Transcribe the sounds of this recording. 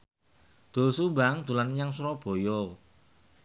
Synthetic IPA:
d̪̥o̤subaŋd̪̥ulanɲaŋsuɾɔb̥o̤jɔ

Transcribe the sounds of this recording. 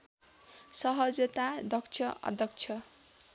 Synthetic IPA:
sʌɦʌd͡zʌt̪ad̪ʌkt͡sʰʌʌ̰d̪ʱʌk̚t͡sʰʌ

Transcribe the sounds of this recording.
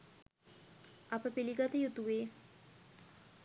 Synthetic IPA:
ɐpəpiliɡat̪əjut̪uʋeː

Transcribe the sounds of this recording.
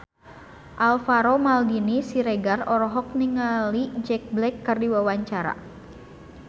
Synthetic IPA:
ʔalfaɾomaldinisiɾeɡarɔɾɔɦɔk̚niŋalid͡ʒɛk̚blɛkːɨrdiwawaɲt͡ʃaɾa̰

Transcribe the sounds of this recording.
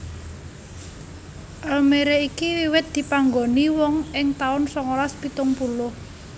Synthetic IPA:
ʔalmeɾeikiwiwɪt̪̚d̪̥i̤paŋɡoniwɔŋɪŋt̪aʊnsɔŋolaspit̪ʊŋpulʊh

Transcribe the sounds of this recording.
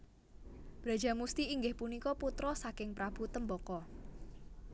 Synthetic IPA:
b̥ɾa̤d̥ʒ̥amust̪iːŋɡɪhpunikɔput̪ɾɔsakɪŋpɾab̥ut̪əmbɔkɔ

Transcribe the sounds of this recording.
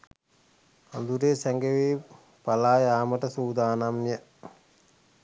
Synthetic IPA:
and̪uɾeːsɛŋɡeʋeː | palaːjaːməʈəsuːd̪aːnamjə

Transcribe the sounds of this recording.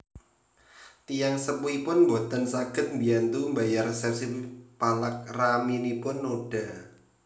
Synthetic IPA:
t̪ijaŋsəpuipʊnmbot̪ansaɡ̥ə̤t̪̚mbiant̪umbajarsɛrsipalak̚raminipʊnːoɖ̥a̤

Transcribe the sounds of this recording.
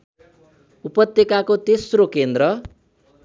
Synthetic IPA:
upʌt̪jekakot̪esrokend̪rʌ

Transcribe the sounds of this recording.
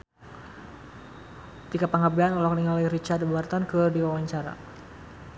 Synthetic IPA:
t̪ikapaŋabeanulakniŋalaiɾit͡ʃad̪buart̪ankədiwawaɲt͡ʃaɾa̰

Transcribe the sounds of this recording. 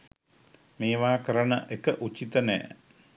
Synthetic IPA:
meːʋaːkəɾəɳəʔekəʔut͡ʃit̪ənɛ̰ː

